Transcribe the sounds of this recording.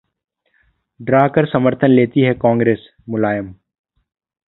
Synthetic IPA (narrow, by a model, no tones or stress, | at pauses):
ɖɾaːkəɾsɐməɾt̪ʰənleːt̪iɦɛkãːŋɡɾeːs | mʊlaːjəm